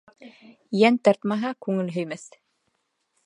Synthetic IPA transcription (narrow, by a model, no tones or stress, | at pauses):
jænt̪ɑɾt̪mɑɦɑkʉŋɘlɦɵ̆jmæθ